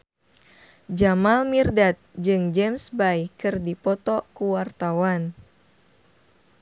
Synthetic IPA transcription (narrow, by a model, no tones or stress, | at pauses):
d͡ʒamalmirdat̪̚d͡ʒɨŋd͡ʒɛmsbajkɨrdipɔt̪ɔkuwart̪awan